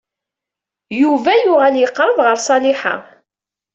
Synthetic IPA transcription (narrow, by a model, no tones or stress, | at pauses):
juvæjʊʁæljəqːɾˤəðˤʁəɾsˤɑlɪħa̰